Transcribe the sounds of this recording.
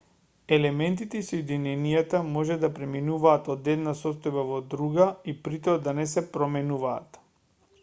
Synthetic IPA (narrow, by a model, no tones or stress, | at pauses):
ɛlɛmɛnt̪it̪ɛisɔjd̪inɛnijat̪amɔʒɛd̪apɾɛminuvaːt̪ɔd̪ɛd̪nasɔst̪ɔjbavɔd̪ɾuɡaipɾit̪oad̪anɛsɛpɾɔmɛnuvaːt̪